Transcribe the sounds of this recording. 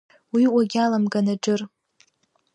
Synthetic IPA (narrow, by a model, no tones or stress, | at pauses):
wiwaɡʲalamɡʼanaʈ͡ʂʼɨr